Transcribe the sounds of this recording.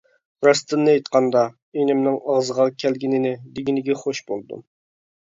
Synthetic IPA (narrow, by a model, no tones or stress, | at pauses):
ɾɑst̪ɨnːɨɑjt̪qʰɑnd̪ɑ | enɪmnɪŋɑʁzəʁɑkʲʰɛlɡʲinɪnɪd̪ɪɡʲinɪɡʲɛχoʃbolˠd̪ṵ